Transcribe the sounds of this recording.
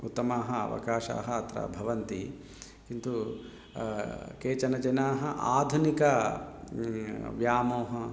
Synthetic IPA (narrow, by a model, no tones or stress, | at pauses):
ut̪ːɐmaːɦɐɐ̰ʋɐ̰kaːʃa̰ːɦɐɐt̪ɾɐ̰bʱɐʋɐnt̪i | kint̪u | keːt͡ʃɐnɐd͡ʒɐnaːɦɐʔa̰ːd̪ʱunikɐ | ʋjaːmoːɦɐ